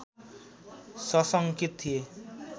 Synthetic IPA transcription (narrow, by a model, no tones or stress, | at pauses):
sɔsʌŋkit̪ʰie